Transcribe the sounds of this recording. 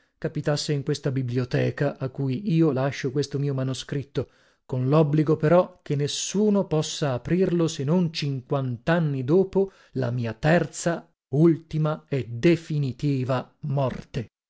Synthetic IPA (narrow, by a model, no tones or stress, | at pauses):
kapit̪asːeiŋkwest̪abibliot̪ɛːkaʔakːuːjiːolaʃːokwest̪omiːomanoskɾit̪ːo | konlɔbːliɡopeɾɔkenːesːuːnopɔsːaːpɾirlosenont͡ʃiŋkwant̪anːid̪oːpo | la̰miːat̪ɛrt̪sa | ult̪imaɛd̪efinit̪iːvamɔrt̪e